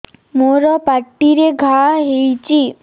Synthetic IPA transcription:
moɾɔpaʈːiɾeɡʱaɦejt͡ɕi

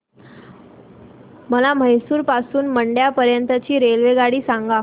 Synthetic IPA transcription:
məlaməjsuːɾpasuːnməɳɖjapəɾjənt̪ət͡ɕiːɾelʋeɡaɽiːsãŋɡa

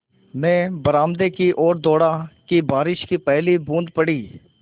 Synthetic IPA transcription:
mɛ̃ːbəɾaːmd̪eːkiʔoːɾd̪oːɽaːkiːbaːɾɪʃkiːpɛːliːbũːnd̪pəɽiː

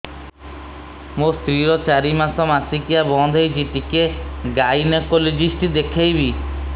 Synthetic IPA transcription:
mũst̪ɾiɾɔt͡ʃaɾimasɔmasikijabɔnd̪ʱɔjd͡ʒiʈikeɡajnekoled͡ʒisʈid̪ekʰejbi

